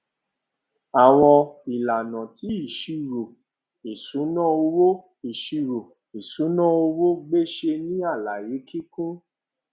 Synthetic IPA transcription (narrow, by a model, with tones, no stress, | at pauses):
a˨w̃ɔ˧i˨la˨nã˨ti˨˦i˦˨ʃi˧ɾo˨ | i˨sũ˨˦nã˦o˧wo˦ | i˨ʃi˧ɾo˨ | i˨sũ˨˦nã˦˨o˧wo˦ɡ͡be˦ʃe˧nĩ˦a˦˨la˨je˨˦ki˦kũ˦